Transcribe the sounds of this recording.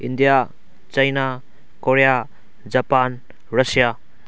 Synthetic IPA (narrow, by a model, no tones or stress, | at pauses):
indija | t͡ʃajna | koɾeja | d͡ʒapan | ɾɐsija